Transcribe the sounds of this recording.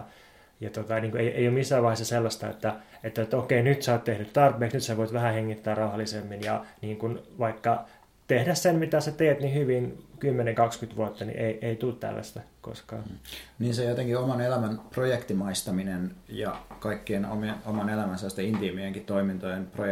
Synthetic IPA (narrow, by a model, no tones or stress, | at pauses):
jɑt̪ot̪ɑniːŋkuejḛijomisːæʋɑihesːɑselːɑst̪ɑḛt̪ːæet̪ːæet̪ːokeinyt̪sɑːt̪t̪ehnyt̪t̪ɑrpeːksnyt̪seʋoit̪ʋæhæheŋːit̪ːæːrrɑuhɑlːisemːinjɑniːŋkunʋɑikːɑ | t̪ehdæssenmit̪æset̪eːt̪nihyʋinkymːeneŋkɑkskyt̪ʋuot̪ːɑnḭʔeiʔeit̪ult̪t̪æ̰lːæ̰st̪æko̰skɑ̰ːniːnsejot̪eŋkiomɑnelæmænprojekt̪imɑist̪ɑminenjɑ̰kɑikːieno̰mnomɑnelæmænselːɑst̪eint̪imieŋkit̪t̪oimint̪ojenpro